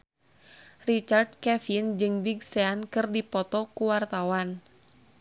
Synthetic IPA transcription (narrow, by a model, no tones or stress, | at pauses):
rit͡ʃard̚kɛfind͡ʒɨŋbiɡseankɨrdipɔt̪ɔkuwart̪awan